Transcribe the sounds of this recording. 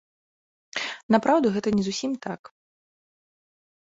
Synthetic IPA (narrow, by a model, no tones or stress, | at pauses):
napɾawd̪ɐɣɛt̪ɐnʲɛzusʲimt̪ak